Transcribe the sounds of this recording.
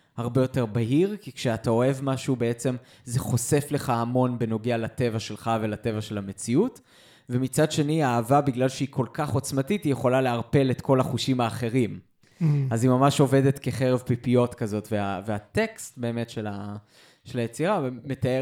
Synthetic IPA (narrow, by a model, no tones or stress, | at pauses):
haʁbe̞jo̞te̞ʁbaɦiʁkikʃeatao̞e̞vmaʃubeet͡se̞m | ze̞χo̞se̞fle̞χaːmo̞nbe̞no̞ɡealate̞vaʃe̞lχave̞late̞vaʃe̞lame̞t͡siut | vemit͡sad̪ʃe̞niaːvabiɡlalʃeikʰo̞lkaχo̞t͡smatitijeχo̞laleaʁpe̞let̪ko̞laχuʃimaːχe̞ʁim | azimamaʃo̞ve̞d̪e̞t̪ke̞χeʁevpipio̞tkazo̞tveaveate̞kstbe̞ːmetʃe̞la | ʃelajet͡siʁavme̞t̪ae